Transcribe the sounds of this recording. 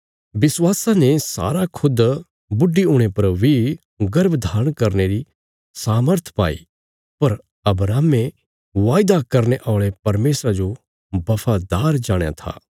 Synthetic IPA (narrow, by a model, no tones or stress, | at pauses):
bɪswaːsãnesa̰ːɾakʰʊd̪ | bʊɖːiʊɽ̃epɐɾʋi | ɡɐɾbd̪ʱaːɾə̃ɽ̃kɐɾneɾi | saːməɾt̪ʰpa̰ːḭ | pɐɾ | ɐbɾaːme | ʋaːɪd̪akɐɾneʔaːɭepɐɾmeːsɾad͡ʒo | bɐfʰaːd̪aːɾd͡ʒaːɽ̃ja̰t̪ʰa̰ː